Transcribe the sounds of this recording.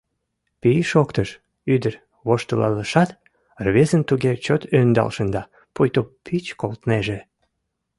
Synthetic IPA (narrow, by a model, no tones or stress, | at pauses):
piʃokt̪əʃ | yd̪ər | βoʃt̪əlɑ̰ləʃɑt̪ | rβezənt̪uɣet͡ɕot̪ønd̪ɑ̰lʃənd̪ɑ | pujt̪opʰit͡ɕkolt̪neʒe